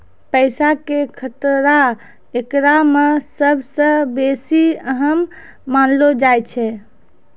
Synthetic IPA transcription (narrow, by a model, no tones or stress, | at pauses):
pəjsakekʰət̪ɾa | ekɾamesəbʱsə̃besiəɦəmː | anlod͡ʒajt͡ʃʰɛ